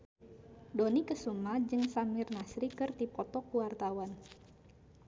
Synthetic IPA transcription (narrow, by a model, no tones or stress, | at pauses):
dɔnikəsumad͡ʒɨŋsamirnasɾikɨrt̪ipɔt̪ɔkuwart̪awan